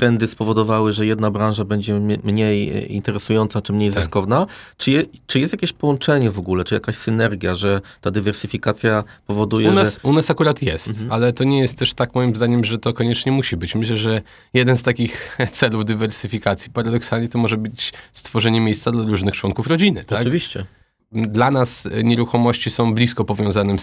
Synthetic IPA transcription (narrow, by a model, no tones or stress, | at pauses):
pɾɛnd̪ɘspɔvɔd̪ɔvawɘʐɛjɛd̪nabɾanʐabɛɲd͡ʑɛmɲejḭnt̪ɛɾɛsujɔnt̪sat͡ʂɘmɲejzɨskɔvnat͡ʂɘjɛt͡ʂɘjɛst̪jakʲeɕpɔwɔnt͡ʂɛɲɛvɔɡulɛt͡ʂɘja̰kaɕsɘnɛɾɡʲjaʐɛt̪ad̪ɘvɛɾsɘfʲikat̪sʲja | pɔvɔd̪ujɛʐnasunasakuɾat̪jɛst̪alɛt̪ɔɲɛjɛst̪ːɛʂt̪akmɔjimzd̪aɲɛmʐɛt̪ɔkɔɲɛt͡ʂɲɛmuɕibɘt͡ɕmɘɕlɛʐɛ | jɛd̪ɛnst̪akʲixt̪sɛluvd̪ɘvɛɾsɘfʲikat̪sʲjipaɾad̪ɔksalɲɛt̪ɔmɔʐɛbɘt͡ɕst̪fɔʐɛɲɛmʲejst̪sad̪laɾuʐnɘxt͡ʂwɔnkufɾɔd͡ʑinɘt̪akvʲiɕt͡ɕɛ | d̪lanasɲɛɾuxɔmɔɕt͡ɕisɔ̃w̃blʲiskɔpɔvʲjɔ̃w̃zanɛ